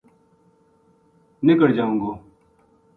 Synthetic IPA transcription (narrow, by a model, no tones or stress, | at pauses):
nɪkəɽd͡ʒaːũŋɡoː